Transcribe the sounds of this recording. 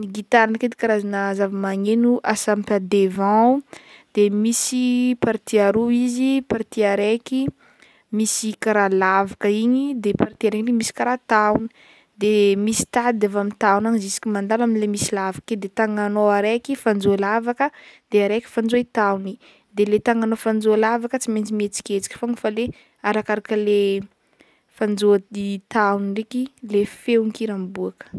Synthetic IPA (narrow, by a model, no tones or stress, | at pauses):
niɡit̪aɾanəked̪ikaɾazanəzavimaŋenuʔasampad̪evãd̪̥emisipaɾt̪iaɾuizipaɾt̪iaɾeki | misikaɾalavakəiɲid̪epaɾt̪iaɾekilemisi̥kaɾat̪awni̥ | d̪emisi̥t̪ad̪avamint̪awnanizisi̥kʲimand̪alaminlemisilavaked̪et̪aŋanoaɾekifand͡zoalavakəd̪̥eaɾekʲi̥fand͡zoit̪awni | d̪elet̪aŋanofand͡zolavakət͡siment͡simet͡si̥kʲet͡si̥kʲi̥foŋifale | aɾakaɾakəle | fand͡ʒoait̪auniɖ͡ʐekilefeuŋkiɾambuakə̥